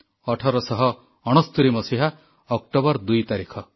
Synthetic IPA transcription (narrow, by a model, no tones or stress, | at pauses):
ɔʈʰɔɾɔsɔɦɔː | ɽ̃ɔst̪uɾimɔsiɦa | ɔk̚ʈɔbɔɾd̪ujt̪aɾikʰɔ